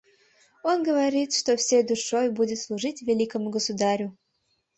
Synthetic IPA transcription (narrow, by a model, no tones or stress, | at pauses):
onɡəvɐɾʲit̪ʂt̪ofsʲejd̪uʂojbudʲɪt̪slˠuʐɨtʲvʲelʲikəmuɡəsud̪aɾʲʊ